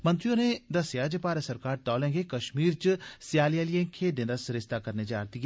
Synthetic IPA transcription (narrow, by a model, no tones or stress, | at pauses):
mə̃nt̪ɾijõːned̪əsjaːd͡ʒəpaːɾəsəɾkaːɾt̪ɔːlɛ̃ːŋɡekəʃmiːɾt͡ʃsjaːlɪjaːlɪjẽːkʰeːʈd̪ẽnd̪aːsɾɪʃt̪aːkəɾneːd͡ʒaːɾt̪iːɡ